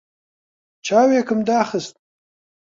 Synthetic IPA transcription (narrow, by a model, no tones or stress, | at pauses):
t͡ʃɑwekəmd̪ɑxəst̪̚